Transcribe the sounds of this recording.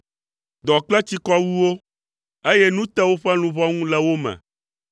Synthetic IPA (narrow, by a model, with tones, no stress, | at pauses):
d̪ɔ˨k͡plɛ˦t͡ɕ̪i˦kɔ˦wu˦wo˦ | e˦je˦nũ˦t̪ɛ˦wo˦ɸɛ˦lũ˨vɔ˦ŋũ˦lɛ˦wo˦mɛ̰̃˨